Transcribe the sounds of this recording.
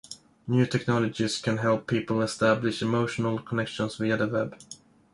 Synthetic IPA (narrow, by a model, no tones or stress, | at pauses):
njʉːtʰɛknɑlɔd͡ʒɪskʰæ̃nɦɛlˠpʰːiːpəl̩ɛstæblɪʃɪmoʊʃənəlˠkʰɔnɛkʃə̃nsviəðəwɛb̥